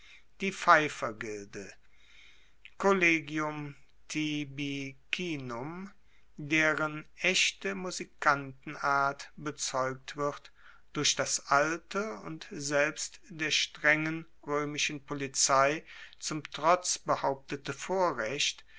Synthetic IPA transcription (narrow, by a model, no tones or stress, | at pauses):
d̥iːfaɪfɐɡɪldə | kʰoleːɡjʊm | tʰibikʰiːnʊm | deːʁənʔɛçtəmuzikʰantn̩aɐtb̥ət͡sɔʏk̚tv̥ɪt | d̥ʊɐçd̥asʔaltʰəʊ̰ntzɛlpstd̥eːɐʃtʁ̥ɛŋən | ʁøːmɪʃn̩polit͡saɪt͡sʊmtʁ̥ɔt͡sb̥əhaʊp̚tətəfoːɐʁɛçt